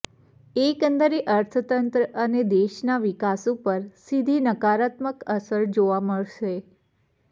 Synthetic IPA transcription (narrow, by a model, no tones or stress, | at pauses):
ekənd̪əɾeʔəɾt̪ʰət̪ənt̪ɾəʔəned̪eʃnaʋikasupəɾsid̪ʱinəkaɾat̪məkəsəɾd͡ʒoʋaməɭʃe